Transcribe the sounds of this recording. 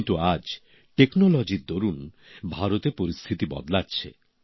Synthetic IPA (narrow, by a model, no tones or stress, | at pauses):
nt̪uad͡ʑ | ʈeknolɔd͡ʑiɾd̪oɾun | bʱaɾot̪eɾpoɾist̪ʰit̪ibɔ̰d̪laːɕʰḛ